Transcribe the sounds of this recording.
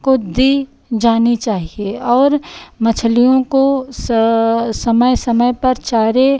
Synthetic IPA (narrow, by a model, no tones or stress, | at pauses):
kod̪i | d͡ʒaːnit͡ʃaːɦieɔːɾmɐt͡ʃʰlijõkos | sɐməjsɐməjpɐɾt͡ʃaːɾe